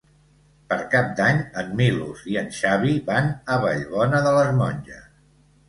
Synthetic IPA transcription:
pəɾkap̚d̪aɲəmːilṵziənʃaβiβanəβəʎβɔnəðələzmɔɲʲʒə

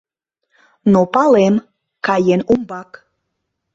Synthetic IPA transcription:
nopɑlem | kɑjenumbɑk

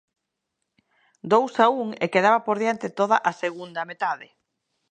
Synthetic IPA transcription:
d̪owsauŋḛkeðaβapoɾðjant̪ɪt̪oð̞aʔaseɣund̪ɐmet̪aðɪ

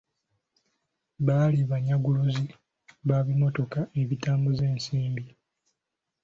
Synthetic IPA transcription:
βaːliβaɲaɡuluzi | βaβimo̞to̞kaeβitaːmbuze̞ːnsiːmbi

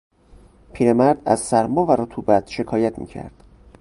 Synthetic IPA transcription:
pʰiːɾe̞mæɾd̪æ̰zsæɾmɒːvæɾot̪ʰuːbæt̪ʃe̞kʰɒːjæt̪ʰmḭːcʰæ̰ɾd̪̥

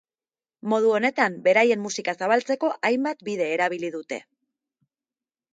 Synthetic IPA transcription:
mo̞ð̞uo̞ne̞t̪ambe̞ɾaje̞mːusikasaβalt͡se̞ko̞ʔajmbat̪biðe̞ːɾaβ̞iliðut̪e̞̰

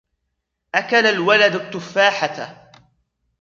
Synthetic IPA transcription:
ʔakalalwalad̪at̪ːʊfːaːħat̪a

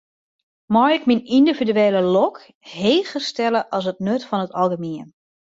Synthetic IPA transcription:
mɔjɪkminindividyeːləlɔk | heːɣəstɛləʔɑlˠs̬ət̚nøtfɔnətɑlˠɡəmiən

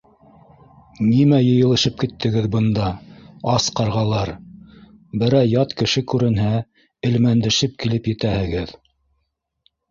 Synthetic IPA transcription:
nimæjɤ̆jɤ̆lˠɤ̆ʃɤp̚kit̪ʰːɘ̆ɡɘðbɤ̆nd̪ɑɑsqɑɾʁɑlˠɑɾ | bɘ̆ɾæjɑt̪kɘ̆ʃɘkʉɾɘ̆nɦæ | ɘ̆lmænd̪ɘ̆ʃɘp̚kilɘpjɘ̆t̪æhɘ̆ɡɘð

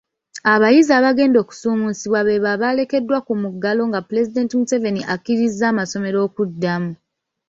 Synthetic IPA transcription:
aβajizaːβaɡe̞ːndo̞ːku̥suːmusiβwaβe̞βaβale̞ke̞dːwakumuɡːalo̞ŋɡapule̞zide̞ːntimuse̞ve̞niʔakːiɾizːaːmaso̞me̞ɾo̞ːkudːamu

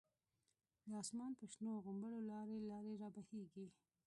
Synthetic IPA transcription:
d̪əɑsmɑnpəʃnoɣʊmbəɽolɑɾelɑɾeɾɑbaheɡi

